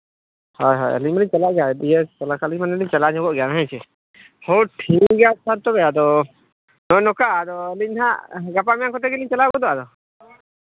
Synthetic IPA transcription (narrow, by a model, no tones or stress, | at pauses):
hɔjɦɔ̰jɛ̰liɲmaliɲt͡ʃalaʔɡɛadiɛtɔlakʰaliɲmanɛliɲt͡ʃalaɲɔɡɔʔɡɛanaɦɛt͡ʃʰɛ | hɔwʈʰiɡasaɾt̪ɔbɛad̪ɔ | nɔjnɔkaːd̪ɔɛliɲɦaɡapamijaŋkɔt̪ɛɡɛliɲt͡ʃalabɔd̪ɔʔad̪ɔ